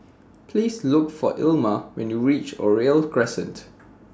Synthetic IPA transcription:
pʰliːslʊkfɔʔɪlməwɛ̰̃njuɹit͡ʃɔ̰ɹelkʰɹɛsə̃nt

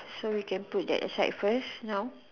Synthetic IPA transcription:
sowikɛ̃nput̚dɛ̰tə̰saɪtfəsnaʊ

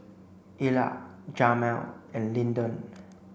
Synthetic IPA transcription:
ila̰d͡ʒamɛlɛ̃nlĩndɔ̃n

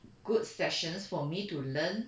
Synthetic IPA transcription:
ɡ̥ut̚sɛʃə̃nsfɔmitulə̃n

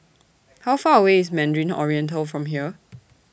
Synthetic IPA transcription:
hawfaəweɪsmɛ̃ndɹĩnɔ̰ɹiɛ̃ntəlfɹɔ̃mɦiə

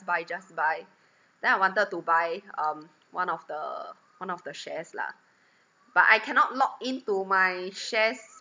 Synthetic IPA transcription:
bajd͡ʒasbaj | d̥ɛ̃najwãntəd̚tubajʌ̃m | wãnɔfdə̰ | wãnɔfdəʃɛsla̰ | b̥atajkʰɛnɔt̚lɔk̚ĩntumajʃɛs

